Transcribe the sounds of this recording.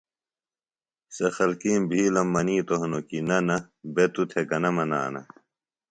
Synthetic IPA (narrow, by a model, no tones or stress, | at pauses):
sɐxɐlkiːmbʱiːlɐmːɐniːt̪oɦnokinɐnɐ | bet̪ut̪ʰekɐnɐmɐna̰ːnɐ̰